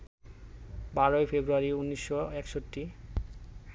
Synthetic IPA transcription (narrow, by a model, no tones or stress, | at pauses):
baɾoefebɾuaɾiunːiʃːoɛkʃoʈːi